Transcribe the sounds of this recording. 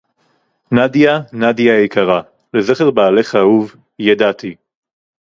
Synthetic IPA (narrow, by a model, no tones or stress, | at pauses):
nadjanadjaekaʁa | lezeχeʁbaːleχauv | jadat̪i